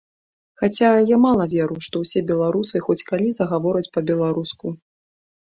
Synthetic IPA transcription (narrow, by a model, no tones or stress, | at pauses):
xat͡sʲajamalˠɐvʲɛɾuʂt̪ɔwsʲɛbʲɛlˠaɾusɨxɔt͡sʲkalʲizɐɣavɔɾɐt͡sʲpɐbʲɛlˠaɾusku